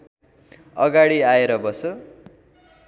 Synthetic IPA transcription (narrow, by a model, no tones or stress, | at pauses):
ʌɡaɽiaeɾʌbʌso